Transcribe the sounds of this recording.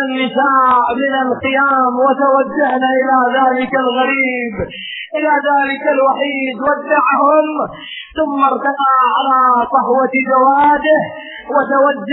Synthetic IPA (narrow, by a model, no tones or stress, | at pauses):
anːɪsaːʔmɪnalqɪjaːmwat̪awad͡ʒːahnaʔɪlaːðaːlɪkalɣaɾiːb | ʔɪlaːðaːlɪkalwaħiːd̪wad̪ːaʕhʊm | θʊmːɑɾˤt̪anaːʕalaːsˤɑhwɑd͡ʒawaːd̪ɪh | wat̪awad͡ʒː